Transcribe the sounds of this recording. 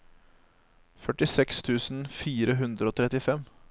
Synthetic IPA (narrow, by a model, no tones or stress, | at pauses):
fœʈɪsɛkst̪ʰʉːsn̩fiːɾəɦʉnd̪ɾəoːt̪ʰɾɛt̪ɪfɛm